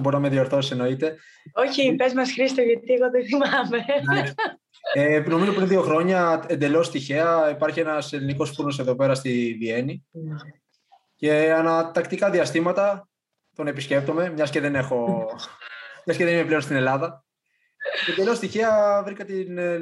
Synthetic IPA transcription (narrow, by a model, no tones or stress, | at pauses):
boɾinɐmeðio̞ɾθosiseno̞it̪e̞ | oçipezmɐsxɾist̪oʝɐt̪ieɣoðeθimamene | eno̞mizopɾinðio̞xɾo̞ɲɐe̞nd̪e̞lo̞st̪içeɐipɐɾçienɐse̞liniko̞sfunose̞ðo̞pe̞ɾɐst̪ivie̞ni | ce̞ɐnɐt̪ɐkt̪ikɐðiɐst̪imɐt̪ɐ | t̪o̞nepisce̞p̚t̪o̞me̞mɲɐsce̞ðe̞ne̞xo̞ | mɲɐsce̞ðe̞nime̞ple̞onst̪ine̞lɐðɐ | end̪elost̪içeɐvɾikɐt̪in